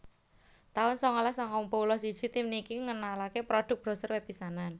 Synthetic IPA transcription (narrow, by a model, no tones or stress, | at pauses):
t̪aʊnsɔŋalasɔŋkɔmpolɔsid̥ʒ̥i̤t̪imnikiŋənalakepɾoɖ̥ʊ̤k̚b̥ɾɔ̤sərwepisanan